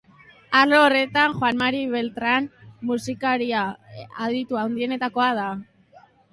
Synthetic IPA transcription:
aloːre̞t̪anxwanmaɾiβelt̪ɾanmusikaɾiaaðit̪uawnd̪ie̞ne̞t̪ako̞að̞a

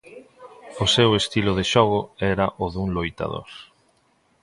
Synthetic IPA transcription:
ʊsewest̪ilʊðeʃɔɣʊɛɾɐʔoðuŋlojt̪a̰ðo̰ɾ

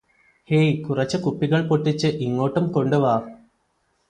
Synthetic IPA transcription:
hejkurɐt͡ɕːɐkupːiɣɐɭpoʈːit͡ɕːɨʔiŋːo̞ːʈːumko̞ɳɖuʋaːr

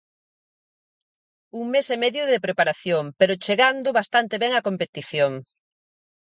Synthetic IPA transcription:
uŋmesemɛðjʊðepɾepaɾaθjoŋpeɾʊt͡ʃeɣand̪ʊβast̪ant̪eβɛŋakompet̪iθjoŋ

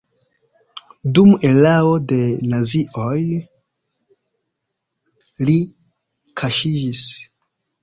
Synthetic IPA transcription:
dumelaode̞naziʔoj | li | kʰaʃid͡ʒis

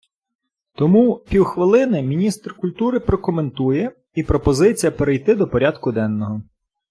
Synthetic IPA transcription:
t̪ɔmupʲiwxʋɪlˠɪnɪmʲinʲist̪rkʊlʲt̪uɾɪpɾɔkɔment̪ujɛ | ipɾɔpɔzɪt͡sʲijɐpeɾejt̪ɪd̪ɔpɔɾʲad̪kʊd̪ɛnːɔɦɔ

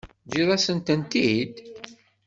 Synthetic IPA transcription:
d͡ʒiðˤæsənt̪ənt̪id̪

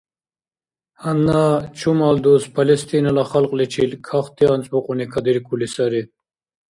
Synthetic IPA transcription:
hɐnːat͡ʃʰumald̪ospʰɐlest̪inɐlaχɐlqlet͡ɕʰilkʰaχt̪iɐnt͡sbuqunikʰɐd̪iɾkulisaɾi

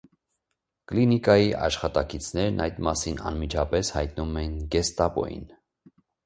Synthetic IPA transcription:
klinikɑjiʔɑʃχɑt̪ɑkit͡sʰnɛɾnʔɑjd̪mɑsinɑ̰nmit͡ʃʰɑpɛshɑjt̪̚numɛnɡɛst̪ɑpɔ̰jḭn

